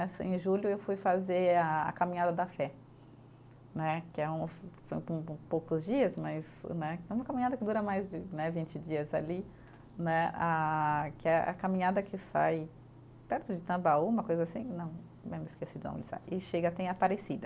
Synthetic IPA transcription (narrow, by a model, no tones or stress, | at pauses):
ɛsḛ̃ʒulʊewfujfazeɾaa̰kamĩɲad̪ɐd̪ɐfɛ | nɛkɪɛũfsõpũpowkʊzd͡ʒiɐsmɐznɛɛũmɐkamĩɲad̪ɐkɪd̪uɾɐmajzd͡ʒɪnɛvĩt͡ʃɪd͡ʒiɐza̰li | nɛakɪɛa̰kamĩɲad̪ɐkʰɪsa̰j | pɛɾt̪ʊd͡ʒɪt̪ɐ̃baũmɐkojzɐasĩnɐ̃w̃ | mẽmɪskesid̪ʊnɐ̰̃lɪsa̰jɪʃeɡɐat̪ɛ̃apaɾesid̪ɐ